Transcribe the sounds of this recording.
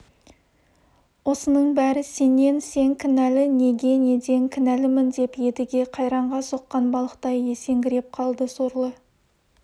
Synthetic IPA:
wo̞sənəɴbæɾɪse̞ne̞nse̞ŋkʲʰɪnælɪne̞ɡʲe̞ne̞d̪e̞ŋkʲʰɪnælɪmɪnd̪e̞pje̞d̪ɪɡʲe̞qʰɑjɾɑɴʁɑso̞qːɑnbɑlˠəqt̪ɑje̞se̞ŋɡʲɪɾe̞p̚qʰɑlˠd̪əsoɾlˠə

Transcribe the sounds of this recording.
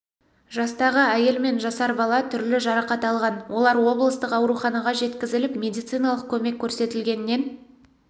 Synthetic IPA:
ʒɑst̪ɑʁəæje̞lme̞nʒɑsɑɾbɑlˠɑt̪ʰʏɾlɪʒɑɾɑqɑt̪ɑlˠʁɑnwʔo̞lˠɑɾwo̞blˠəst̪əqɑwɾuχɑnɑʁɑʒe̞t̪kʲɪzɪlɪpmʲe̞d̪ijt̪sɨjnɑlˠəq̚kʲʰɵme̞kʲʰːɵɾse̞t̪ɪlɡʲe̞nɪːe̞n

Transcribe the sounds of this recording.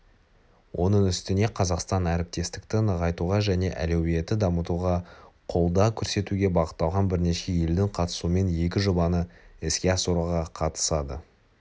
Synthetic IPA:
wʔo̞nəɴʏst̪ɪne̞qʰɑzɑqst̪ɑnæɾɪp̚t̪e̞st̪ɪ̥kt̪ɪnəʁɑjt̪uʁɑʒæne̞ʔæ̰le̞wije̞t̪ɪd̪ɑmət̪uʁɑqʰo̞lˠd̪ɑkʲʰɵɾse̞t̪uɡʲe̞bɑʁət̪ːɑlˠʁɑnbɪɾne̞ʃe̞je̞ld̪ɪɴqʰɑt̪ə̥suəme̞nje̞kʲɪʒobɑnəɪskʲe̞ɑsuɾuʁɑqʰɑt̪ə̥sɑd̪ə̰

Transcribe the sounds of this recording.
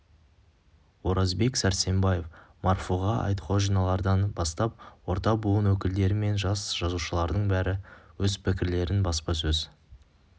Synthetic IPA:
wo̞ɾɑzbe̞ksæɾse̞mbɑje̞fmʔɑrfuʁɑɑ̰jt̪qʰoʒijnɑlˠɑɾd̪ɑnbɑst̪ɑp̚wo̞ɾt̪ɑbuənwɵkʲɪld̪e̞ɾɪme̞nʒɑsʒ̥ɑzuʃəlˠɑɾd̪əɴbæɾɪwɵzpʰɪkʲɪɾle̞ɾɪnbɑspɑsɵz

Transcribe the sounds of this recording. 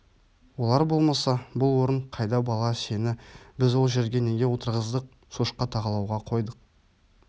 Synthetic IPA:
wo̞lˠɑɾbo̞lˠmɑsɑbʊlˠwo̞ɾəɴqʰɑjd̪ɑbɑlˠɑse̞nɪbɪzwo̞lˠʒe̞ɾɡʲe̞ne̞ɡʲe̞wo̞t̪əɾʁəzd̪əq̚ | suʃqːɑt̪ʰɑʁɑlˠɑwʁɑqʰo̞jd̪əq̚

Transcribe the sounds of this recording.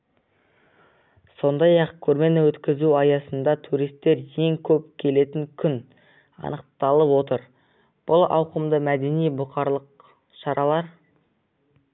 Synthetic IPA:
so̞nd̪ɑjɑqkʲʰɵɾme̞nɪwɵt̪kʲɪzuɑjɑsənd̪ɑt̪ʰuɾijst̪ːe̞ɾje̞ŋkʲʰɵpkʲʰe̞le̞t̪ɪŋkʲʰʏn | ɑ̰nəq̚t̪ɑlˠəpwo̞t̪əɾ | b̥ʊlˠɑ̰wqəmd̪əmæd̪e̞nijbʊqɑɾlˠəq | ʃɑɾʔɑlˠɑɾ

